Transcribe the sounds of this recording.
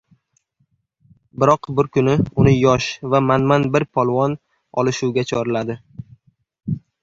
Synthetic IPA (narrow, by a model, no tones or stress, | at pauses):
bɪɾɒqbʊɾkʊnɪʊnɪjɒʃvamanmanbɪɾpʰɒlˠwɒn | ɒ̰lˠɪʃuwɡʲat͡ʃʰɒɾɪlad̪ɪ